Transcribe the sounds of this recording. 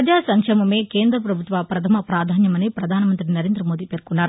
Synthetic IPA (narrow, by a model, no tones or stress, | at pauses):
ɐd͡ʒaːsɐŋkɐmɐme̞ːkeːnd̪ɾɐpɾɐbʱut̪ʋaːpɾɐt̪ʰɐmɐpɾaːd̪ʱaːnjɐmɐnipɾɐd̪ʱaːnɐmɐnt̪ɾinɐɾe̞ːnd̪ɾɐmo̞ːd̪iːpe̞ːɾkunːaːɾu